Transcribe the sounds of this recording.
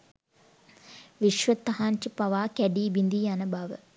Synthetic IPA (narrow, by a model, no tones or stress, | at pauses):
ʋiʃʋət̪ːɐɦant͡ʃipɐʋaːkæɖiːbind̪iːanəbaʋə̰